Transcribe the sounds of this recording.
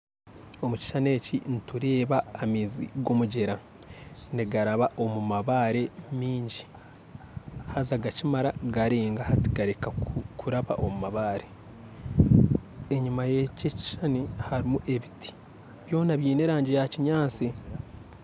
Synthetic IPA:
o̞muci̥ʃane̞ːcḭnituɾe̞ːβaːmiːzḭɡo̞muɟe̞ɾa | niɡaɾaβaʔo̞mumaβaːɾe̞miːɲɟi | hazaɡacimaɾaɡaɾeːŋɡahati̥ɡaɾekakʰuɾaβa̰ʔomumaβaːɾe̞ | eɲumajececi̥ʃanihaɾimuʔe̞βitʰi̥ | βjo̞ːnaβjiːneɾaːɲɟejaciɲaːt͡si

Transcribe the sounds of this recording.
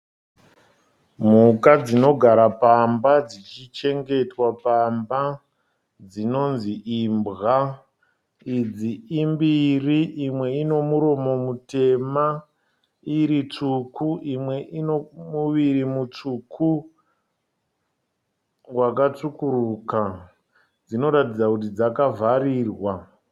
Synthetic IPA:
m̤ukad͡zino̞ɡʱaɾapambad͡zit͡ʃit͡ʃe̞ŋɡe̞twapamba | d͡zino̞nziʔiːmbɣa | id͡ziːmbiriʔimwe̞ino̞muɾo̞mo̞mute̞ma | iɾit͡ʂukʰuʔimwe̞ʔinomuʋiɾimut͡ʂukʰu | wak̬at͡ʂukuɾuka | d͡zino̞ɾatid͡zakut̬id͡zakavʱaɾiːrwa

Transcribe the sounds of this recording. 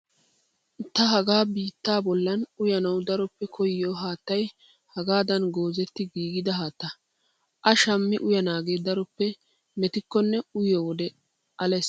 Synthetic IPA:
t̪ɐɦɐɡaːbiːt̪ːaːbɔlːɐnʊjɐnɐwd̪ɐɾɔpːɛkʰɔjːoːɦaːt̪ːɐj | hɐɡaːd̪ɐnɡo̞ːzɛt̪ːɪɡiːɡɪd̪ɐɦaːt̪ːɐ | ʔɐʃɐmːɪʔʊjɐnaːɡe̞ːd̪ɐɾɔpːɛ | mɛt̪ɪkːɔnːɛʊjoːwɔd̪ɛ | ʔɐlɛs

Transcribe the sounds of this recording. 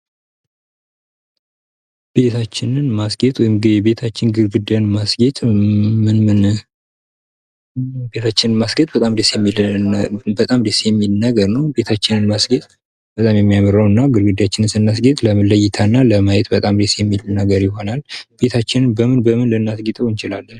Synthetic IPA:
b̥e̞t̪ʰat͡ʃːɪnɨnmasɡet̪ʼwɔjimɡɨd̪ibe̞t̪ʰat͡ʃːɪnɡɨɾɡɨd̪ənmasɡet̪ʼmɨnmɨn | be̞t̪ʰat͡ʃːɪnɨnmasɡet̪ʼbət̪ʼamd̪esjɛmːil | bət̪ʼamd̪esejɛmːilnəɡəɾnəwbe̞t̪ʰat͡ʃːɪnɨnmasɡet̪ʼ | bət̪ʼamjɛmːijamɨɾəwɨnːaɡɨɾɡɨd̪jat͡ʃːɪnɨnsɨnːas̬ɡet̪ʼləmələjːɪt̪ʰanːaləmajɛt̪bət̪ʼamd̪esejɛmːilnəɡəɾjɪɦo̞nalb̥e̞t̪ʰat͡ʃːɪnɨnbəmɨnbəmɨnlɨnːasɡet̪ʼəwɨnt͡ʃɪlalːən

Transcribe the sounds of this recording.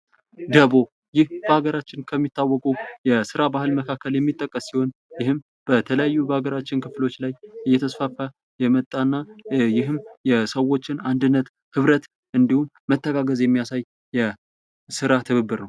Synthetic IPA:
d̪əβo̞ | jɪhb̥əhaɡəɾat͡ʃːɪnkʰəmːit̪ʰːawːɔkʼujɛsɨɾabaɦɨlməkʰakːəljɛmːit̪ʼːəkʼːəsːiho̞njɪhɨm | b̥ət̪ʰələjajːubəhaɡəɾat͡ʃːɪnkʰɨflo̞t͡ʃːlajʔɨjːɛt̪ʰəsfafa | jɛmət̪ʼːanːajɪɦɨmjɛsəwo̞t͡ʃːɪnand̪ɨnːət̪ | hɨβɾət̪ | ʔɨnd̪ihumːət̪ʰːəɡaɡəzjɛmːijasajː | ɛ | sɨɾat̪ʰɨβɨbːɨɾnəw

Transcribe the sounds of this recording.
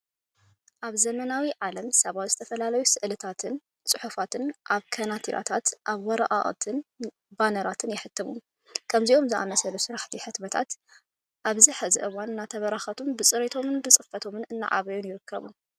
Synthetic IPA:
ʔaβzɐmɐnawiʕalɐmsɐβat̪zɨt̪ʰɐfɐlalɐjusɨʔlɨt̪ʰat̪ʰɨn | t͡sʼɨħufat̪ʰɨnʔaβkʰɐnat̪ʰiɾʔa̰t̪ʰat̪ʔaβwɔɾɐʔa̰ʔt̪ʰɨn | banɐɾat̪ʰɨnjɪħɨt̪ʰːɐβu | kʰɐmziʔo̞mzɨʔa̰mɐsɐlusɨɾaħt̪ʰiħɨt̪mɐt̪ʰa̰t̪ | ʔaβziħɨzɨʔɨwanɨnːat̪ʰɐβɐɾaxɐt̪ʰunbɨt͡sʼɨɾet̪ʰo̞mɨnbɨt͡sʼɨfɐt̪ʰo̞mɨnɨnːa̰ʕa̰βɐjunjɪɾɨkːɐ̰βṵ

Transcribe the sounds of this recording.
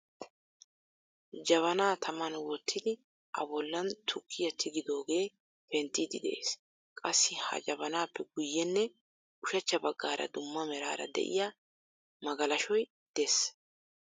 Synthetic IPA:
d͡ʒɐβɐnaːt̪ʰɐmɐnwɔt̪ʰːɪd̪ɪ | ʔɐ̰bɔlːɐnt̪ʰʊkʰːɪjɐt̪ʰːɪɡɪd̪o̞ːɡe̞ː | fɛnt̪ːɪd̪ɪd̪ɛʔḛːs | kʼɐsːɪhɐ̰d͡ʒɐbɐnaːpːɛɡʊjːɛnːɛ | ʊʃɐt͡ʃːɐbɐɡːaːɾɐ̰d̪ʊmːɐmɛɾaːɾɐ̰d̪ɛ̰ʔɪ̰ja | mɐɡɐlɐʃɔj | d̪̥ɛs

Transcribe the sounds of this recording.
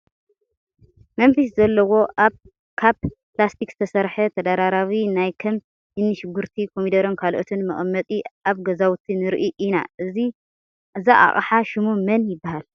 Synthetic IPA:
mɐnfis̬zɐlːɐwo̞ʔaβ | kʰaβplast̪ʰikz̥ɨt̪ʰɐsɐɾħɐt̪ʰɐd̪aɾaɾawinajkʰɐm | ɨnːɨʃɪɡuɾt̪ʰikʰomid̪ɐɾonkʰalʔot̪ʰɨnmɐχʼmːɐt̪ʼiʔaβɡɐzawt̪ʰinɨɾʔiʔina̰ʔɨzi | ʔɨzaʔa̰χʼħaʃɪmumɐnjɪbːahal

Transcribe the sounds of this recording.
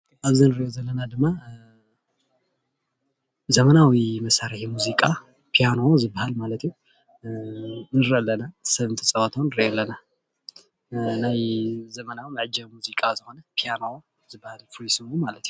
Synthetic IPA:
ʔaβzɨnɨɾjozəlːənad̪ɨmːa | zəmənawiməsaɾajɛmuzikʼa | pʰijanozɨbahalmalət̪ɲɛw | nɨɾəlːənalsəβɨnt̪ʰəsʼəwat̪ʰəwnɨɾəjɛlːəna | ɨnajzəmənawməʕɨd͡ʒəmuzikʼazəho̞nəpʰijano | zɨbahalfɾisɨmomalət̪ɲɛw

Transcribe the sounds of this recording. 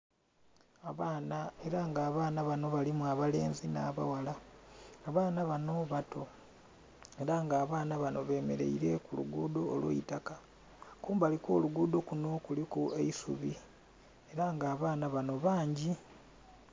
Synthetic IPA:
aβaːnae̞ɾaŋɡaːβaːnaβano̞βalimuaβale̞ːnzina̰ːβa̰walaː | βaːnaβano̞βatʰo̞ | e̞ɾaŋɡaːβaːnaβano̞βe̞ːme̞ɾe̞̰iɾe̞kulṵɡuːdo̞ːlwo̰ḭtaka | kuːmbaliko̞̰ːluɡuːdo̞kuno̞kulikue̞isṵβi | e̞ɾaŋɡaːβaːnaβano̞βaːɲɟi

